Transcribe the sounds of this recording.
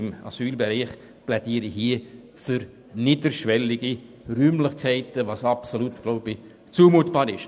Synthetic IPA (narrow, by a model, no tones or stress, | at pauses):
ɪma̰syːlbeɾɛɪχ | plɛd̥iːɾihiːə | fyɾ | nidəɾʃvɛlɪɡ̥i | ryːmlɪχkʰɛɪtəvɑsɑpsolutɡ̥loʊb̥i | t͡suːmuːtb̥ɑːɾɪʃ